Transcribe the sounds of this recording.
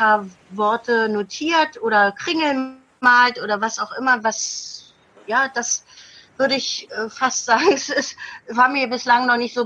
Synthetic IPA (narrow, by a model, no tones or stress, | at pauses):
aːɐ | vɔɐtʰənotʰiːɐtʔoːɾɐkʁ̥ɪŋl̩ | aːltʔoːɾɐvasaʊxʔɪmɐvas | jaːd̥as | v̥ʏɐɾəɪçʔɛːfastz̥aːɡŋ̩ɛsɪsvaːɐmiːɐbɪslaŋnɔχnɪçtz̥oː